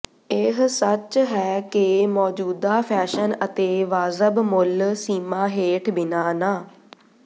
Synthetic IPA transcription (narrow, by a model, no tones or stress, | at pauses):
ɪɦsət͡ʃɦɛːkɪmɔːd͡ʒuːd̪aːpʰɛːʃənət̪eːʋaːzəbmʊlsiːmaːɦeːʈʰbɪnaːnaː